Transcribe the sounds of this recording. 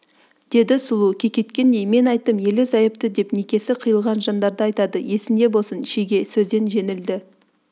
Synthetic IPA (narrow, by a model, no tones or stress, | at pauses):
d̪̥e̞d̪ɪsʊlˠukʲʰe̞kʲe̞t̪kʲe̞nd̪e̞jme̞nɑjt̪ːəmje̞lɪzɑjəp̚t̪əd̪e̞pnekʲe̞sɪqʰəjəlˠʁɑnʒɑnd̪ɑɾd̪əɑjt̪ɑd̪əje̞sɪmd̪e̞bo̞lˠsənɪʃeɡʲe̞sɵzd̪e̞nʒe̞nɪld̪ɪ